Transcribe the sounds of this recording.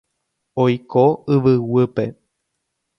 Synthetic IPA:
ojkoɨʋɨwɨpḛ

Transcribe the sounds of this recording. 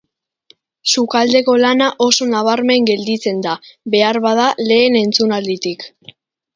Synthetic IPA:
sukald̪e̞ko̞lanaʔo̞so̞naβ̞aɾme̞ŋɡe̞ld̪it͡se̞nd̪aβe̞aɾβað̞ale̞ːne̞nt͡sunald̪it̪ik

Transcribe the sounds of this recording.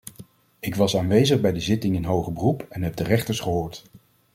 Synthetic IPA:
ɪkʋɑsaːnʋejzəχbɛjdəzɪtɪŋənɦowχəbərupɛnɦɛb̚dərɛχtəɹsχəɦoːɹt

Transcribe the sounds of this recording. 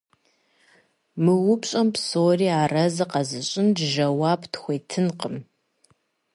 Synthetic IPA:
mɨwʊpɕʼɐmpsoːriːaːrɐzɨqɐzɨɕʼɪndʒɐwaːptʰxʷeːtʰɨnqəm

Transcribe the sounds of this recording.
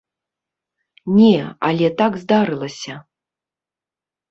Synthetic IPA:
nʲɛa̰lʲɛt̪aɡzd̪aɾɨlˠɐsʲɐ

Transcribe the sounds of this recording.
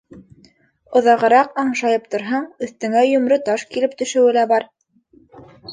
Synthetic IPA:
ŏðɑʁɤ̆ɾɑqɑɴʃɑjɤp̚t̪ŏɾɦɑɴɵ̆θt̪ɘ̆ŋæjɵ̆mɾɵt̪ɑʃkilɘp̚t̪ɵ̆ʃɘ̆wɘ̆læbɑɾ

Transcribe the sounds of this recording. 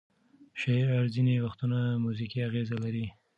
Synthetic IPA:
ʃaiɾaɾzinewaxt̪unamuzikiaɣezalaɾi

